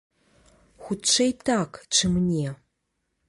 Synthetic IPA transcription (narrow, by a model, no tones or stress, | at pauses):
xʷutt͡ʃʰejtʰakʰʈ͡ʂʰɨmnʲe